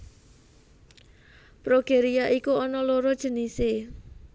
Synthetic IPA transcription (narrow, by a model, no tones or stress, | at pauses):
pɾoɡ̥eɾiaʔikuɔnɔloɾɔd̥ʒ̥ə̤nise